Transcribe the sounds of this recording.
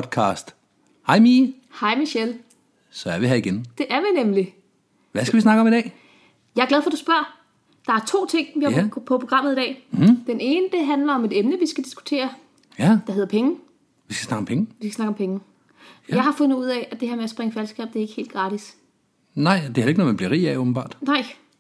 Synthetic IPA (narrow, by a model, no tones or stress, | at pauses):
d̥̚kʰɑ̰̈ːsd̥ | hɑ̈ɪmiː | hɑ̈ɪ̰miɕel | sɒæɐʋiɦæiɡ̥end̥e̝ʔæɐʋinemli | ʋæsɡ̥ʋisnɑ̈ɡ̥əɒ̽midɛ̰ː | jɑ̈ɪɐɡlæðˠfɒ̽d̥usb̥ɶɐ̰ | d̥ɑ̈æɐt͡sʰo̝̰ːt͡sʰe̝ŋ̰ʋihɑpʰɒpʰoɡ̥ʁɑ̈m̰ð̩ˠidɛ̰ːd̥ene̝ːnəd̥e̝ɦænlɐɒ̽me̝d̥emnəʋisɡ̥æd̥isɡ̥u̥t͡sʰe̝̰ːɐ | d̥ɑɦe̝ð̞̰ˠɐpʰeŋə | ʋiskɡ̥æsnɑ̈ɡ̥ɒ̽mpʰeŋəʋiskɡ̥æsnɑ̈ɡ̥əɒ̽mpʰeŋ | jjɑ̈ɪhɑ̈fɔ̽nð̩ˠuð̞̰ˠɛʔæd̥e̝heɐmeæsb̥ʁeŋəfælsɡ̥ɛ̰ːb̥̚d̥e̝ɐe̝ɡ̥he̝̰ːld̥ɡ̥ʁɑ̈ːd̥is | nɑ̈ɪ̰d̥ehæleɡ̥ənɒmænb̥liɐʁḭːɛɔb̥n̩b̥ɑ̰̈ːd̥nɑ̈ɪ̰